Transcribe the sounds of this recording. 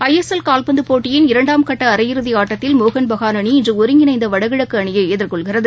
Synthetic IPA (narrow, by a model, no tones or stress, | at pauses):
ɐjɛsɐlkaːlpɐnd̪ɯpoːʈːɪjɪnɪɾɐɳɖaːmkɐʈːɐɐɾɐjɪɾɯðiaːʈːɐt̪ːɪlmoːɣɐnbɐɣaːnɐɳiɪndrɯɔɾɯŋɡɪnɐɪnd̪ɐʋɐɽɐɣɐɻɐkːɯɐɳɪjɐeːðɪrkɔɭɣɪrɐðɯ